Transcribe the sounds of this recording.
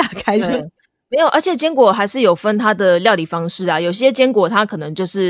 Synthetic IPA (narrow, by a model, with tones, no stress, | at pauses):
a˥˩kʰa˥ɪ˥˩ | me˧˥ɪjʔə˞˧˥t͡ɕʰjɛ˨˩t͡ɕjɛ˥ŋkwɔ˨˩xa˧˥ɪʂɻ̩˥˩jo˨˩ʊfə˥nt̪ʰa˥d̪ə˨ljɑ˥˧ʊli˨˩fɑ˥ŋʂɻ̩˥˩a˨˩jo˨˩ʊɕɕjɛ˥t͡ɕjɛ˥ŋkwɔ˨˩t̪ʰa˦˥kʰɤ˨˩nɤ˧˦ŋt͡ɕjo˥˧ʊʂɻ̩˥˩